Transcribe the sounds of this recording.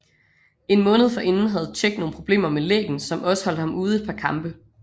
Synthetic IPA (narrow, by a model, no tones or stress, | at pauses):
e̝nmɔ̽ːnəð̞̩ˠfɒ̽ʔe̝nn̩ɦæð̞̩ˠt͡sʰeɡ̥d̥no̝ːn̩pʰʁo̝b̥le̝̰ːmɐmelḛːɡ̥n̩sɒ̽mɒ̽sə̥hɒ̽l̰d̥hɑ̈muːð̞̩ˠe̝d̚pʰɑ̈kʰɑ̈mb̥ə